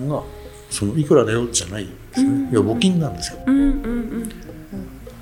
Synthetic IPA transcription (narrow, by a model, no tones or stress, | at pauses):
ɡa | so̞no̞ikɯ̟ɾad̪ajo̞ʑanaid̪̥e̞sɨneiβabo̞kʲĩnːãnd̪esɨ̥jo